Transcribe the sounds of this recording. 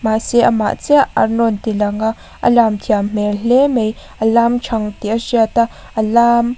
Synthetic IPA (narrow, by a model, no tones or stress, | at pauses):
maːsɛʔama̰ʔt͡sɛaɐ̰rnɔnt̪ilɐŋa | ʔa̰laːmt̪ʰiam̥ɛlɛmej | ʔalaːmt͡ʃʰaŋt̪iʔasiat̪a | alaːm